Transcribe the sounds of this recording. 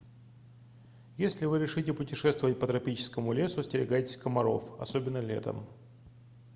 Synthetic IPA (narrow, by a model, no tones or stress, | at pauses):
jesʲlʲɪvɨɾʲɪʂɨtʲɪpʊtʲɪʂɛst̪vəvət̚ʲpət̪ɾɐpʲit͡ɕɪ̥skəmʊlʲesʊsʲtʲɪɾʲɪ̰ɡajtʲɪsʲkəmɐɾo̞̰fɐ̰sobʲɪnːəlʲḛt̪ə̰m